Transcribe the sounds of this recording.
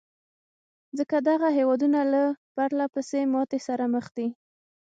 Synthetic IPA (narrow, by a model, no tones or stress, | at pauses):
zəkad̪aɣaɦewɑd̪unalab̥aɾlapəsemɑt̪esaɾaməxd̪i